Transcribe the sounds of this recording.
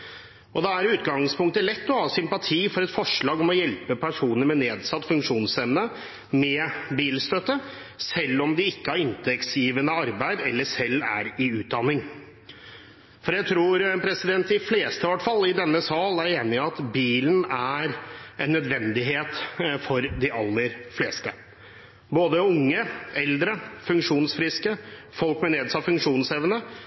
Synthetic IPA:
ʔɔd̪ɛæɾʉːt̪ɡɑŋspʊŋk̚t̪əlɛt̪ːɔhɑːsʏmpɑt̪ʰiːfɔɾɛt̪fɔʂɭɑːɡɔmɔjɛlpəpʰæʂuːnəɾmɛneːd̪sɑt̪ːfʉŋkʂuːnsɛmnə | mɛbiːlst̪œt̪ːə | sɛlːɔmd̪ɪɪkːəhɑɾɪnt̪ʰɛksjiːʋənəɑɾbæɪd̪ɛlːəʂɛlːæ̰ɾɪʉːt̪̚d̪ɑnɪŋ | fɔɾjæɡt̪ʰɾuːɾɛpʰɾɛsɪd̪ɛnt̪ɪfleːst̪əʋɑʈfɑlːɪd̪ɛnːəsɑːlæɾeːnɪɑt̪biːlənæɾʔɛnːœd̪ʋɛnd̪ɪɦeːt̪fɔɾd̪ɪʔɑlːəɾfleːst̪ə | boːd̪əʊŋːəɛld̪ɾəfʉŋkʂuːnsfɾɪskə | fɔlkmɛneːd̪sɑfʉŋkʂuːnsɛʋənə

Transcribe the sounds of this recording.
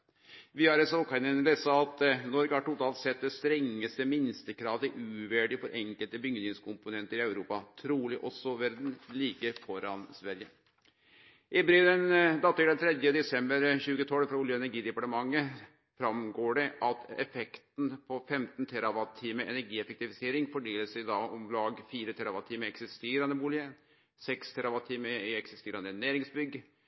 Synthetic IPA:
ʋɪɑɾɛsɔkɑɪnənlesɑɑt̪nɔɾɡəhæʈʊt̪ʰɑːlt̪sɛt̪̚d̪ɛst̪ɾɛŋːəst̪əmɪnst̪əkʰɾɑːʋt̪ɪʔʉːʋæɖɪfɔɾʔɛŋkəlt̪əbʏŋd̪ɪŋskʰʊmpʊnɛnt̪əɾɪɑʉɾuːpɑt̪ʰɾuːlɪʔɔsɔʋæɾd̪n̩liːkəfɔɾɑnsʋæɾjə | ʔɪbɾiːlənd̪ɑt̪ːəd̪ɛnt̪ʰɾɛd̪jəd̪ɛsɛmbəɾçʉːɡət̪ʰɔləfɾɑuːljəɛnæɾɡiːd̪ɛpɑʈəmɑŋːə | fɾɑmɡoːɖɛʔɑt̪ʰɛ̰fɛkt̪n̩pʰɔfɛmt̪n̩t̪ʰɛɾɑʋɑt̪ʰiːməʔɛ̰næɾɡiːɛfɛkt̪ɪfɪseːɾɪŋfɔɖeːləsɛɪd̪ɑːɔmlɑːɡfiːɾət̪ʰɛɾɑʋɑt̪ʰiːməɛksɪst̪eːɾɑnəbuːlɪə | sɛkst̪ʰɛɾɑʋɑt̪ʰiːməɪɛksɪst̪eːɾɑnənæːɾɪŋsbʏɡː

